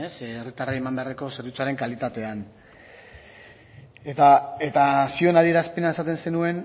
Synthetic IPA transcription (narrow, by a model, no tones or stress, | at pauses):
eserit̪araemambe̞areko̞seɾit͡suaɾe̞ŋkalit̪at̪e̞an | et̪aet̪asio̞naðie̞ɾaspe̞nae̞sat̪e̞nse̞nue̞n